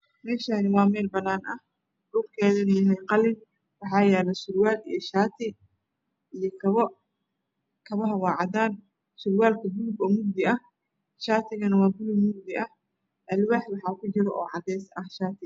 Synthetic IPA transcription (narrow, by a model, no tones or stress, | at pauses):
mɛːʃanɪwɑːmɛːlbɐnːaːnɐh | d̥ʊːrkʰɛːðɪniɪnɛjqɑlɪn | wɑħɑːjɛːlɐʃʊrwaːlijɞʃaːt̪ʰɪ | ijɔkʰɐβɔ | kʰɐβɐɦɐwɑːʕɑd̪aːn | sʊrwaːlkʰɐɡulʊbɔːmʊɡ̚d̪ɪɐh | ʃaːt̪ʰɪɣɐnɐwɑːɡʊlʊbmʊɡd̪ɪʔɐh | ʔɐlwaːħwɑħɑːkʰʊt͡ʃɪɾɔʔɔ̰ːʕɑd̪ɛːjsɐhʃaːt̪ʰɪ